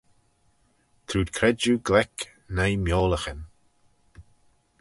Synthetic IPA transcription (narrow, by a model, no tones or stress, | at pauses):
t̪ʰɾuːd̪kʰɾɛd͡ʒuɡlɛk | najmjoːləxən